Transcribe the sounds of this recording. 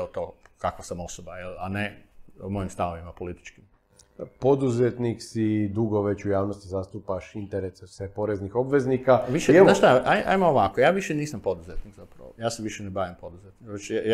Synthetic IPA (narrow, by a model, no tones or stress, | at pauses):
ot̪okakʋasamo̞sobajelanemo̞jimst̪aoʋimapolit̪i̥t͡ʃkim | po̞d̪uzet̪niksid̪uɡo̞ʋe̞t͡ɕujaːʋnost̪izast̪upaʃint̪eɾesesepo̞ɾeznixo̞bʋe̞znikaʋiʃeenaʃst̪aʔajʔa̰jmooʋakojaːʋiʃeniːsampo̞d̪uzet̪niɡzapɾa̰ʋojaːseʋiʃenebaʋimpo̞d̪uzet̪nikʋet͡ʃ